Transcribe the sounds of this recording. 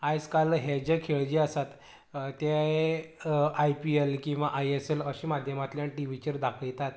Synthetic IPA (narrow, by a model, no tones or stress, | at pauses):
ajd͡zkalɦed͡ʑekʰeɭd͡ʑiəsat̪ | t̪ːje | ajpielkĩw̃ʋaʔajeseləɕiːmad̪ʱjəmat̪ljãʈiʋit͡ɕəɾd̪akʰəɭt̪at̪